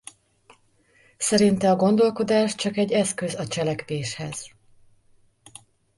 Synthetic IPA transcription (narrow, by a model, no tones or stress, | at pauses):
sɛɾint̪ɛɒɡo̞nd̪o̞lko̞d̪aːʃt͡ʃɒkɛɟːɛskøzɒt͡ʃɛlɛkʋeːʃhɛz̥